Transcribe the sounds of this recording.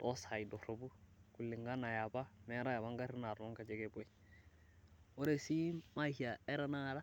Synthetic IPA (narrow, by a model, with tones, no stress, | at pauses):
to˦sa˨i˨do˨ɾo˨bu˦ku˨lːi˨ŋɡa˦na˨ja˨ba˦mɛ˦ɾa˦ja˨ba˦ŋɡa˦ɾi˦na˨ɾo˦ŋka˨d͡ʒe˦ɡe˦bo˦i˦ | o˦ɾe˨si˦ma˦hi˨a˨e˦ɾa˦na˦ɾa˦